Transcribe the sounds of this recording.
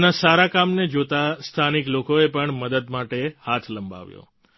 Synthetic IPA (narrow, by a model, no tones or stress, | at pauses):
nasaɾakamned͡ʒot̪ast̪ʰaniklokoepəɳməd̪əd̪maʈehat̪ʰləmba̰ʋjo̰